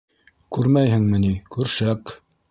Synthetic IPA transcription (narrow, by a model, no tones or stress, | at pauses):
kʉɾmæjhɘ̆ŋmɘ̆nikʉɾʃæk